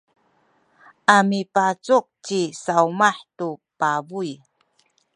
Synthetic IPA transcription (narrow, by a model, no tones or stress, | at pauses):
ʔamipat͡suk̚t͡ɕisawmaħtupabuj